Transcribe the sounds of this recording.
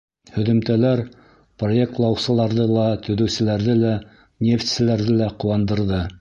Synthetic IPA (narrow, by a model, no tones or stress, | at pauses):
hɵ̆ðɵ̆mt̪ælæɾ | proe̞k̚t̪lˠɑwsɤ̆lˠɑɾðɤlˠɑt̪ɵ̆ðɵ̆wsɘ̆læɾðɘlæ | nʲeft̪ʲsɘ̆læɾðɘlæqŏwɑnd̪ɤ̆ɾðɤ